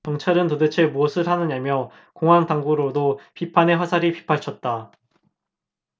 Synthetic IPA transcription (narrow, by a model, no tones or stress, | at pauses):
t͡ɕʌŋt͡ɕʰaɾɯntodet͡ɕʰemuʌsʰɯɭɦanɯɲamjʌ | koŋɦaŋtaŋɡuɾodopipʰane̞wasʰaɾipi̥pʰaɭt͡ɕʰʌt̚t͈a